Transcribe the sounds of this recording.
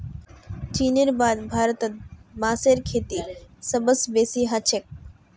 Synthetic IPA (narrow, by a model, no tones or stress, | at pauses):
t͡ʃiːneɾbaːd̪bʱaːɾət̪ət̪̚baːseɾkʰeːt̪isɐbəsbeːsiɦat͡ʃʰek̚